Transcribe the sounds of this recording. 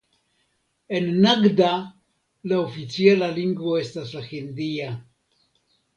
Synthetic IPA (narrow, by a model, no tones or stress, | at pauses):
e̞nːaɡda | laofit͡sialaliŋɡvo̞e̞staslaxind̪ia